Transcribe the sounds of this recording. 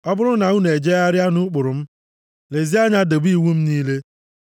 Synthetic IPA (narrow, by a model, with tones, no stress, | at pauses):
ɔ˦bʊ˦ɾʊ˦na˨ŋu˦ne˨d͡ʒe˦a˦ɾja˦nu˦k͡pʊ˨ɾʊ˨m̩˦ | le˨zi˦a˦ɲa˦do˨bi˦˨wu˦m̩˦niː˦le˦